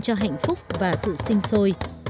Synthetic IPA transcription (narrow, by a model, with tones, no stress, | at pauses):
t͡ɕɔ˧ɦa̰˧˨jŋ̟fʊ˦˥k͡p̚vaː˨˩sɨ̰˧˨sï˧ŋ̟so˧j